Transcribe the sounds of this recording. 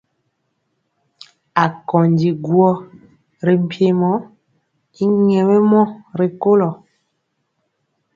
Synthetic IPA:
a˨kɔ˨ndi˨ɡwɔ˦ | ɾe˨m̩˦˨pʰje˨mɔ˨˦ | i˦ɲɛ˨we˦mɔ˦ɾe˨ko˦lɔ˨

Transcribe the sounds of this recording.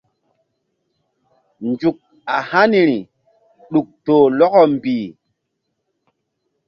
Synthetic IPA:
nd͡ʒu˨k̚ | a˨ha˦ni˨ɾi˨ | ɗu˨k̚toː˨lɔ˦kɔ˦m˨biː˨

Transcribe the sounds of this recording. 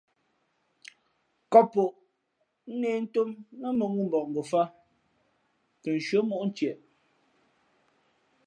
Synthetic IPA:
kɔ˦po˨ʔ | n̩˦neː˦n̩˦to˦mnə˦mə˨ŋu˦m̩˨bɔ˨ʔŋ̩˨ɡo˨fa˦ | kə˨n̩˨ʃwə˦mo˦ʔn̩˦t͡ʃjɛ˨ʔ

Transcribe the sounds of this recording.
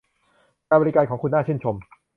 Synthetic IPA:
aː˧˩bɔː˧ɾi˦˥kaː˧nkʰɔː˩˦ŋkʰu˧nːaː˥˩t͡ɕʰɯ˥˩nt͡ɕʰo˧m

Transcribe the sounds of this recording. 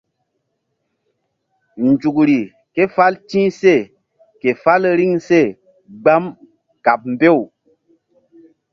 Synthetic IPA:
n˨d͡ʒu˨kɾi˨ | ke˦fa˦ltĩː˦se˦˨ | ke˨fa˦lɾi˦ŋse˦˨ | ɡ͡ba˦m | ka˨p̚m̩˨be˦˨w

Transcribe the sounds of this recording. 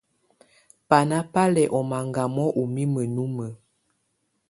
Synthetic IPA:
pa˨na˦pa˦lɛ˨ʔɔ˨ma˨ŋɡa˨mɔ˦ʔu˨mi˦mə˨nu˦mə˨

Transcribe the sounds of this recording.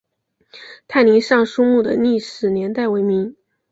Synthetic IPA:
t̪ʰa˥˩ɪni˧˥ŋʂɑ˥˧ŋʂu˥mu˥˩d̪ə̰˩ni˥˩ʂɻ̩˨˩njɛ˧˥nt̪a˥˩ɪwe˧˥ɪmi˧˥ŋ

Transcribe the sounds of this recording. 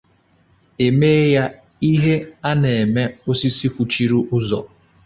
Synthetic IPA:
e˨me˦ja˦ | i˦ɦe˦a˦ne˨e˨me˦o˦si˦si˦kʷu˨t͡ʃi˦ɾu˦ʔʊ˦zɔ̰˨

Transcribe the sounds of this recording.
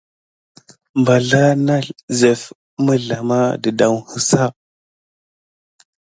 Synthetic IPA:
mba˨ɮa˦na˦ze˨f | mə˦ɮa˨ma̰˦də˨da˦whə˦sa˦˨

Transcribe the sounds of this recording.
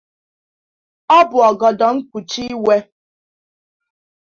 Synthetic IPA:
ɔ˦bʊ˨ɔ˨ɡɔ˨dɔ˨ŋ̩˦kʷu˨t͡ʃi˦we˦

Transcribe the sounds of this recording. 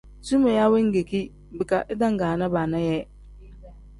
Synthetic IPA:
su˦me˨ja˦we˦ŋ̩˦ɡe˨ki˦ | bɪ˨ka˨ʔɪ˦dã˦ŋ˨ɡaː˨nã˦baː˨nã˦jɛ˦

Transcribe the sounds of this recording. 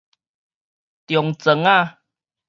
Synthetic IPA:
t̪jɔ˨˩ŋt͡sə˨˦ŋa˥˧

